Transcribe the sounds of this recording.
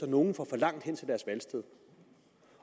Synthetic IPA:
ɒno̝ːn̩fɒfɒ̽lɑ̈ŋ̰d̥hen̰t͡sʰe̝ld̥æɐsʋælsd̥əð̰ˠ

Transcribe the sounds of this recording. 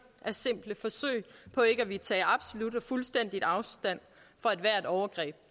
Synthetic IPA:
ʔæɐse̝m̰b̥ləfɒ̽sø̰ɪ̰pʰɒ̽e̝ɡ̥əæʋit͡sʰɛ̰ːɑ̈b̥so̝lud̥ɒ̽fulsd̥en̰d̥id̥ɑ̈ʊsd̥æn̰ | fɒ̽æd̥ʋæːɐe̝d̥ɒʊɐɡ̥ʁɛ̰ːb̥̚

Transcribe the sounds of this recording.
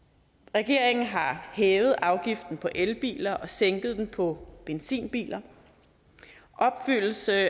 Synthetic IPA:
ʁɛɡ̥e̝ɐ̰eŋn̩ɦɑ̈hɛːʊð̞̩ˠɑ̈ʊɡ̥ifd̥n̩pʰɒ̽ʔelb̥ḭːlɐʔɒ̽seŋɡ̥ð̞̩ˠd̥enpʰɒ̽b̥ensḭːnb̥ḭːlɐ | ʔɒ̽b̥fyl̰l̩sə

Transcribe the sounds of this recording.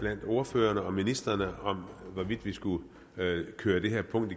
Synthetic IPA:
b̥læn̰d̥o̝ːɐføːɐnəɒ̽minisd̥ɐnəɒ̽mʋɒʋid̥ʋisɡ̥u | kʰøːɐd̥e̝ɦeɐ̰pʰɔ̽ŋ̰d̥i

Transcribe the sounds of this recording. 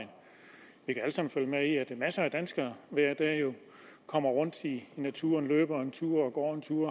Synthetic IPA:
ɪn | ʋikææləsɑ̈mn̩føljəmeiæd̥emæsɐæd̥ænsɡ̥ɐʋæɐ̰d̥æjo̝ | kʰɒ̽m̰ɐʁɔ̽n̰d̥inæt͡sʰṵːɐnlø̰ːb̥ɐɒent͡sʰuːɐ̰ɒ̽ɡ̥ɒ̰ːent͡sʰuːɐ̰

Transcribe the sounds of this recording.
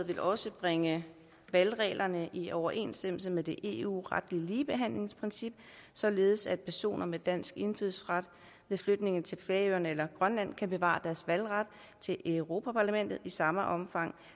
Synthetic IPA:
ð̩ˠʋe̝lʔɒ̽səb̥ʁeŋə | ʋælʁɛ̰ːlʔɐnəʔiʔɒʊɐʔe̝̰nsd̥em̰l̩səmeðˠd̥e̝ʔe̝̰ṵːʁɑd̥liəliːb̥e̝ɦæn̰le̝ŋspʰʁinsib̥̚ | sɒ̽le̝ːð̞̩ˠsæd̥̚pʰæɐso̝̰ːnɐmed̥æn̰sɡ̥e̝nfyðˠsʁɑd̥ | ʋeðˠflød̥ne̝ŋn̩t͡sʰe̝lfleɐøɐnelɐɡ̥ʁɶnlæn̰kʰæb̥e̝ʋɑ̰̈d̥æɐsʋælʁad̥ | t͡sʰe̝lʔeʊʁo̝ːpʰæpʰɑ̈ːlæmen̰d̥ð̩ˠisɑ̈məʔɒ̽mfɑ̈ŋ̰

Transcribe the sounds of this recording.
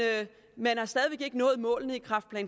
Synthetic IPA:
ø | menhɑ̈sd̥ɛːðˠiʋe̝ɡ̥e̝ɡ̥ənɔ̽ːð̞̩ˠmɔ̰̽ːlnəikʰʁɑ̈fd̥̚pʰlɛ̰ːn

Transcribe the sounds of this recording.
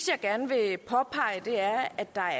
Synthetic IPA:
sjɑ̈ɡ̥æɐnʋe̝pʰɒ̽pʰɑ̈ɪəd̥e̝æɐɐæd̥ːɑ̈

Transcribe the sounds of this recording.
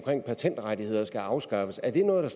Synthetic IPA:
mkʰʁeŋ̰pʰæt͡sʰen̰d̥ʁad̥ihe̝ð̞̰ˠɐsɡ̥æɑ̈ʊsɡ̥ɑ̈fəsæɐd̥e̝nɔ̽ːð̞̩ˠdɑ̈s

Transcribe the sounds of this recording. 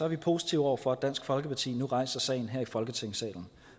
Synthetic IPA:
sɒ̽æɐʋipʰo̝ːsi̥t͡sʰiʊɒʊ̰ɐfɒ̽æd̥æn̰sɡ̥fɒ̽lɡ̥əpʰɑ̈t͡sʰḭːnuʁɑ̈ɪsɐsɛ̰ɪn̩ɦeɐ̰ifɒ̽lɡ̥ət͡sʰeŋ̰əsɛ̰ːln̩

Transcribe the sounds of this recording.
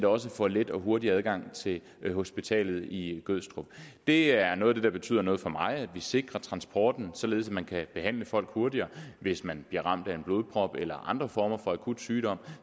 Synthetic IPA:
nd̥ɒ̽s̬əfɒled̥ɒ̽ɦo̝ɐdiæð̞ˠɡ̥ɑ̈ŋ̰t͡sʰe̝l | ho̝sb̥it͡sʰɛ̰ːlð̞̩ˠiɡ̥øð̰ˠsd̥ʁub̥d̥e̝æɐnɔ̽ːðˠd̥e̝d̥ɑ̈b̥e̝̥t͡sʰy̰ð̰ˠɐnɔ̽ːð̞̩ˠfɒ̽mɑ̈ɪæd̥ʋise̝ɡ̥ʁɐt͡sʰʁɑ̈nsb̥ʰɒ̰ːd̥n̩sɒ̽le̝ðˠsædmænkʰæb̥e̝ɦæn̰ləfɒ̽l̰ɡ̥ho̝ɐdiɐːʋe̝smænb̥liɐʁɑ̈m̰d̥æe̝nblo̝ːð̞ˠpʰʁɒ̽b̥elɐʔɑ̈nd̥ʁɐfɒːmɐfɒ̽ækʰud̥syːd̥ɒ̽m̰

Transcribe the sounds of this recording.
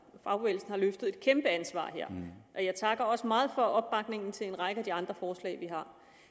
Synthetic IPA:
fɑ̈ʊʋelsn̩hɑ̈løfd̥ð̞̩ˠe̝d̥̚kʰemb̥əænsʋɑ̰̈ːɦeɐ̰ʔɒ̽jɑ̈ɪt͡sʰɑ̈ɡ̥ɐɒ̽səmɑ̈ːð̞̩ˠfɒ̽ʔɒ̽b̥̚ːɑ̈ɡ̥ne̝ŋn̩t͡sʰe̝le̝nʁɑ̈ɡ̥əæd̥iɑ̈nd̥ʁɐfɒːslɛ̰ːɪʋiɦɑ̈

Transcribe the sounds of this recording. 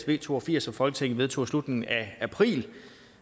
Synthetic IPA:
sʋe̝̰ːt͡sʰo̝̰ːɒfiɐ̰sɒ̽fɒ̽lɡ̥ə̥t͡sʰeŋ̰̩ʋe̝ð̞ˠt͡sʰo̝̰ːslud̥neŋæʔæpʰʁḭːl

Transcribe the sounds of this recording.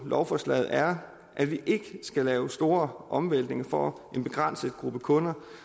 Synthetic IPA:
lʔɒʊfɒslɛ̰ɪð̩ˠæɐ | ʔæʋiʔe̝ɡ̥əsɡ̥ælɛːʊsd̥o̝ːɐʔɒ̽mʋel̰d̥ne̝ŋɐfɒ | e̝nb̥e̝ɡ̥ʁɑ̈n̰səð̩ˠɡ̥ʁub̥əkʰɔ̽nɐ

